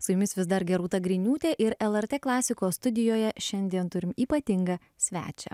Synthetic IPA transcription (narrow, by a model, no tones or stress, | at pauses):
sʊjʊmʲɪsʋʲɪsd̪ɐɾɡʲɛɾuːt̪ɐɡɾʲɪnʲuːt̪ʲeːʔɪɾɛlˠɛɾʲt̪ʲeːklˠɑːsʲɪkoːst̪ʊd̪ʲɪjoːjɛʃʲɛnʲd̪ʲiɛnt̪ʊɾʲɪmiːpɐt̪ʲɪŋɡɐ | sʲʋʲæ̰ːt͡ʃʲɛ̰